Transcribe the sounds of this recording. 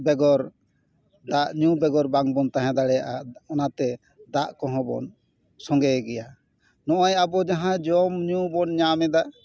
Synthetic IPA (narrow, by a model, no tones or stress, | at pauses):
bɛɡɔɾ | d̪aʔɲubɛɡɔɾbaŋbɔnt̪aɦɛ̃d̪aɽɛjaʔaɔnat̪ɛ | d̪aʔkɔ̃ɦɔ̃bɔ̰n | sɔŋɡɛɡɛja | nɔʔajabɔd͡ʒaɦãd͡ʒɔmɲubɔnɲamɛd̪aʔ